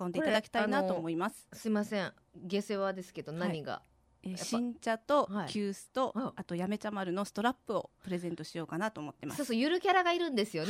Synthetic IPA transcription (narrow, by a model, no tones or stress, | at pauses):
ko̞nd̪eit̪d̪akʲi̥t̪ainat̪o̞ːmo̞imasɨ̥sɨimasẽŋ | ɡe̞seβad̪e̞sɨ̥ke̞d̪o̞naɲ̟iɡa̰ | eːɕĩɲ̟t͡ɕat̪o̞kʲʰɨːsɨ̥t̪o̞at̪ojame̞t͡ɕamaɾɯ̟no̞sɨ̥t̪o̞ɾapːɯ̟o̞pɯ̟ɾe̞zẽ̞nt̪o̞ɕijo̞ːkanat̪o̞ːmo̞t̪ːe̞ma̰sosojɯ̟ɾɯ̟kʲaɾaɡaiɾɯ̟̃nd̪e̞sɨjo̞n